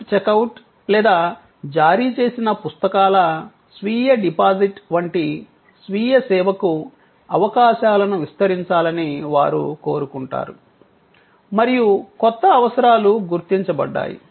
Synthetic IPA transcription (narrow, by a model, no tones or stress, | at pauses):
t͡ʃekɐwuʈ | lɛːd̪aː | d͡ʒaːɾiːt͡ʃe̞ːsinɐpust̪ɐkaːlɐ | sʋiːjɐɖipaːziʈʋɐɳʈi | sʋiːjɐsɛːʋɐku | ɐʋɐkaːʃaːlɐnuʋist̪ɐɾiɲt͡ʃaːlɐniʋa̰ːɾṵko̞ːɾukuɳʈa̰ːɾu | mɐɾijukɔt̪ːɐːʋɐsɐɾaːluɡuɾt̪iɲt͡ʃɐbɐ̰ɖːa̰ːjḭ